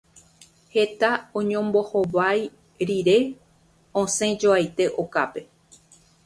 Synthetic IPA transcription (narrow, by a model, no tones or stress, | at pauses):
he̞t̪aõɲõ̞mbo̞hoʋaj | ɾiɾe̞ | õsẽ̞d͡ʒoajt̪e̞ʔo̞kape̞